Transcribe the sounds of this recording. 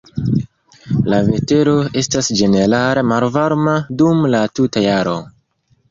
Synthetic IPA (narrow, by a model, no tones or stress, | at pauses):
lave̞te̞ɾo̞e̞stasd͡ʒe̞ne̞ɾalemalvaɾmadumlatutajaɾo̞̰